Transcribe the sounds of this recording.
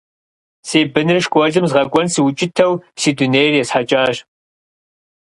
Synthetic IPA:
seːbɨnɨrʃkʷʼɔɮɨmzʁɐɡʷʼɔnsiwʊt͡ʃʼɪtʰɐwsiːduneːjrjɛsħat͡ʃʼaːɕ

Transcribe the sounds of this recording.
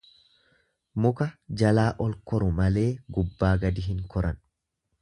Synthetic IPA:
mʊkɐd͡ʒɐlaːʔɔlkɔɾʊmɐle̞ːɡʊbːaːɡɐd̪ɪɦɪŋkɔɾʔɐn

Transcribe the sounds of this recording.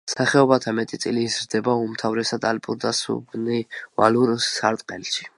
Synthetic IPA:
saχɛɔbat̪ʰamɛt̪ʼit̪sʼiliːzɾd̪ɛbaumt̪ʰavɾɛsad̪alpʼuɾd̪asṵbniva̰luɾsaɾt̪ʼqʼɛlʃi̥

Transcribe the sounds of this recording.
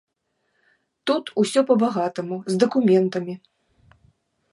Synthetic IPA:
t̪ut̪usʲɔpɐbaɣat̪ɐmuzd̪ɐkumʲɛnt̪ɐmʲi

